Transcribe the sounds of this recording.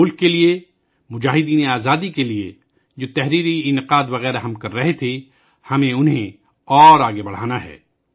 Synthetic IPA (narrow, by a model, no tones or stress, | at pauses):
ʊlkːelie | mʊd͡ʒaːɦɪd̪iːneaːzaːd̪ikeliḛ | d͡ʒoːt̪ɛɦɾiːɾiɪnɪqaːd̪ʋɐɣɛːɾaɦɐmkɐɾːɐɦet̪ʰe | hɐmẽʊnɦẽ | ɔːɾaːɡebɐɽ̤a̰ːnaɦɛ̰ː